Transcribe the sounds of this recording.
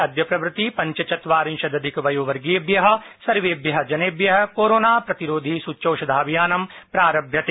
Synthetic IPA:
ɐd̪jɐpɾɐʋɾɪt̪ipɐ̃ɲt͡ʃɐt͡ʃɐt̪ʋaːɾɪ̃nʃɐd̪ɐd̪ʱɪkʋɐjoːʋɐɾɡeːbjɐɦɐ̆sɐɾʋeːbjɐɦɐ̆d͡ʒɐneːbjɐɦɐkoːɾoːnaːpɾɐt̪iɾoːd̪ʱisut͡ʃoːʃɐd̪ʱaːʋijaːnɐmpɾaːɾɐbʱjɐt̪e

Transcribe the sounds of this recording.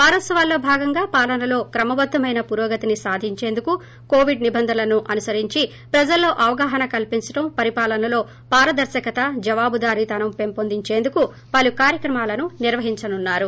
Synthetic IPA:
paːɾɐsɐʋaːlːo̞ːbʱaːɡɐŋɡaːpaːlɐnɐlo̞ːkɾɐmɐbɐd̪ʱːɐmɐjnɐpuɾoːɡɐt̪inisaːd̪ʱiɲt͡ʃe̞ːnd̪uku | koːʋiɖnibɐnd̪ʱɐlɐnuʔɐnusɐɾiɲt͡ʃi | pɾɐd͡ʒɐlːo̞ːʔɐʋɐɡaːɦɐnɐkɐlpiɲt͡ʃɐʈɐmpɐɾipaːlɐnɐlo̞ː | paːɾɐd̪ɐɾʃɐkɐt̪ɐd͡ʒɐʋaːbud̪aːɾit̪ɐnɐmpe̞mpond̪iɲt͡ʃe̞ːnd̪uku | pɐlukaːɾjɐkɾɐmaːlɐnuniɾʋɐɦiɲt͡ʃɐnunːaːɾu

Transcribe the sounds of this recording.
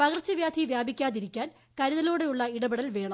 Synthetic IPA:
pɐɣrt͡ɕːɐʋjaːd̪ʱiʋjaːbikʲːaːðiɾikʲːaːn | kɐɾɐðɐloːɽe̞juɭːɐiɽɐbiɽɐlʋe̞ːɳɐ

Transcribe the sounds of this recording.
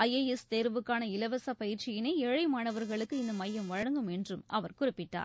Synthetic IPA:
ɐjeɛst̪eːɾʋɯkːaːnɐɪlɐʋɐsaːpɐjɪɾt͡ʃɪjɪneːɛɻɐɪmaːnɐʋɐɾɣɐɭɯkːɯɪnd̪ɐmɐjːɐmʋɐɻɐŋɡɯmɛndrɯmɐʋɐɾkʊrɪpːɪʈːa̰ːɾ

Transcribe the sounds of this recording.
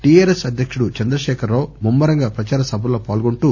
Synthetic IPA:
ʈiaːɾesɐd̪ʱjɐkʂuɽut͡ʃɐnd̪ɾɐʃɛːkʰɐɾlo̞ːmumːɐɾɐŋɡaːpɾɐt͡ʃaːɾɐsɐbʱɐlo̞ːpaːlɡoɳʈuː

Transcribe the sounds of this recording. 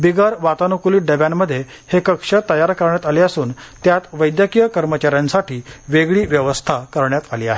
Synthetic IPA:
biɡəɾʋat̪anukuliːʈ̚ɖebjaɳməd̪ʱːje | hekəkʂət̪əjaɾkəɾɳjat̪aleəsuːnt̪jat̪ʋəjd̪jəkijəkəɾmət͡ɕaɾjãnsaʈiːʋeɡɭiːʋjəʋəst̪ʰakəɾɳjat̪aliːaɦe

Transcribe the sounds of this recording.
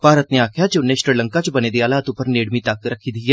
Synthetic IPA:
paːɾət̪neːaːkʰjaːt͡ʃʊnːẽːʃɾiləŋkat͡ʃbəneːd̪eaːlaːt̪ʊpːəɾneːɽmit̪əkɾəkʰiːd̪iaː

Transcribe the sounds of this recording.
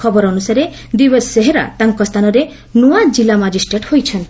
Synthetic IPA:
ɔbɔɾɔnusaɾe | d̪ibɔsːeɦeɾa̰t̪aŋkɔst̪ʰanɔɾe | nuad͡ʒilamad͡ʒisʈɾeʈhojt͡ʃʰɔnt̪

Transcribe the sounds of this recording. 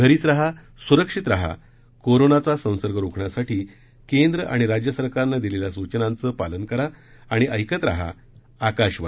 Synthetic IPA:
ɡʱəɾiːt͡sɾaɦa | suɾəkʂit̪ɾaɦa̰ | koɾonat͡sasə̃w̃səɾɡəɾukʰɳjasaʈʰiː | kend̪ɾəʔa̰ɽ̃iɾad͡ʑjəsəɾkaɾnad̪ileljasut͡ɕənãnt͡səpalənkəɾaː | ɽ̃iʔəjkət̪ɾa̰ɦa̰ | akaɕʋa̰

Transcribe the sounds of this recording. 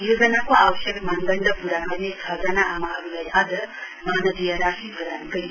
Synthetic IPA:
jod͡zʌnakoawʌsjʌɡmand̪ʌnd̪ʱʌpuɾanʌnet͡sʰʌd͡zanaamaɦʌɾulajad͡zʌ | manʌd̪ijʌɾasit̪ɡʌɾankʌj

